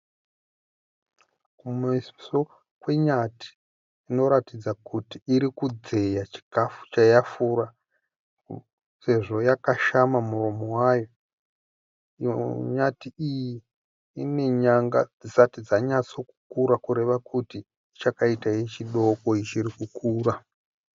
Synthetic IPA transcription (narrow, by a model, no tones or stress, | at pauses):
kumisso̞ | kwe̞ɲati̥ː | no̞ɾatid͡zakutiːɾikud͡ze̞jat͡ʃi̥kafu̥t͡ʃajafuːɾa | se̞ʐo̞jakaʃamamuro̞mowajo̞ | ɲatiiji | ine̞ɲaŋɡa̰d͡zisatid͡zaɲat͡so̞ku̥kuɾakuɾe̞ʋakʰutiː | t͡ʃakaitaijet͡ʃiɗo̞ko̞it͡ʃiɾikukuːɾa